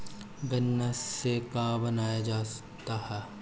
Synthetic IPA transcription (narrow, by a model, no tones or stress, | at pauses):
ɡɐnːasekaːbɐnaːjad͡ʒaːsɐ̥kt̪aɦɛː